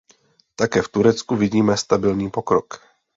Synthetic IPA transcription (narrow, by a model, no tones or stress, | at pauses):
t̪akɛːft̪uɾɛt͡skuvɪɟiːmɛst̪abɪlɲiːpokɾok